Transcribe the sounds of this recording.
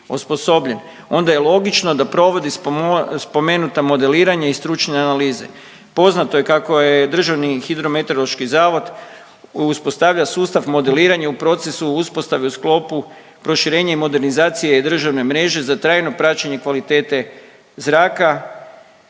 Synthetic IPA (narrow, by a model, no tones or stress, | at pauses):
uspo̞so̞bʎe̞n | o̞nd̪aje̞lˠo̞ɡit͡ʃno̞d̪apɾo̞ʋo̞d̪isspo̞menut̪amo̞d̪e̞liːɾaɲaist̪ɾut͡ʃneanaliːze̞̰ | po̞znat̪oje̞kako̞jed̪r̩ʒaʋnixid̪ɾo̞met̪oloʃkizaːʋo̞d̪ | uspo̞st̪aʋʎasuːst̪aʋmo̞d̪e̞liːɾaɲaupɾo̞t̪se̞suuspo̞st̪aʋeusklo̞pu | pɾo̞ʃiɾe̞ːɲaimo̞d̪e̞ɾnizaːt̪sijed̪r̩ʒaʋne̞mɾe̞ʒe̞zat̪ɾaːjno̞pɾat͡ɕeɲekʋalit̪e̞ːt̪e̞ | zɾaːka